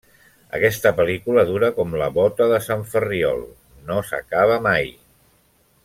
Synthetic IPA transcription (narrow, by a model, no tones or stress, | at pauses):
ə̰kɛst̪əpəlikuləðuɾəkɔmləβɔt̪əðəsaɱfəriɔ̰lˠ | nosə̰kaβ̞əmaj